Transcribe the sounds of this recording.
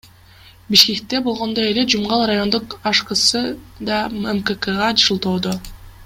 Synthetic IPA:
biʃke̞k̚t̪e̞bo̞lˠʁo̞nd̪oe̞le̞d͡ʒumʁɑlˠɾajo̞nd̪uqɑʃqɯsɯd̪ɑemkekeʁɑd͡ʒɯlˠt̪o̞ːd̪o

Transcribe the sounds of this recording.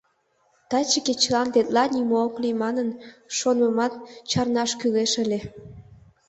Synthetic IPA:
t̪ɑt͡ɕəket͡ɕəlɑnt̪et̪lɑnʲimooklimɑnənʃonəmɑt̪̚t͡ɕɑrnɑʃkyleʃəlʲe

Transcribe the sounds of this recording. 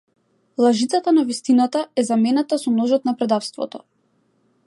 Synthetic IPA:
lˠaʒit̪at̪anavist̪inat̪aɛzamɛnat̪asɔnɔʒɔt̪napɾɛd̪afst̪vɔ̰t̪ɔ

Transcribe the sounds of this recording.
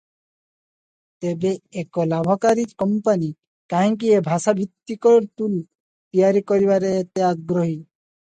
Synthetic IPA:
t̪ebeekɔlabʱɔkaɾiɾkɔmpani | kaɦĩŋk̬iebʱasabʱit̪ːikɔɾt̪ul | t̪iaɾikɔɾibaɾeːt̪eaɡɾɔɦi

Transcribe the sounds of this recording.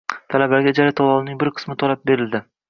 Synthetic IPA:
t̪ʰalabaɡʲad͡ʒaɾat̪ʰɒlˠɒlnɪŋbɪɾqʰɨ̥smɪt̪ʰɒlap̚be̞ɾɪld̪ɪ

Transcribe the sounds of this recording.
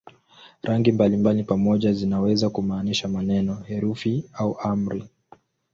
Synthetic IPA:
ɾʔaŋɡimbalimbalipamɔʄazinawɛzakumaːniʃamanɛnɔhɛɾufiauʔam̩ɾi

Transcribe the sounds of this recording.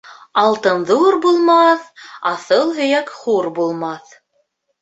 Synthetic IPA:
ɑlˠt̪ɤnðuɾbulˠmɑθɑθɤlˠɦɵ̆jækχuɾbulˠmɑθ

